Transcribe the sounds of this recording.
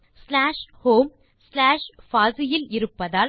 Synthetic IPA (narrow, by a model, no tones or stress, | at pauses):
slaːʂhoːm | slaːʂfaːsɪjɪlɪɾɯpːɐðaː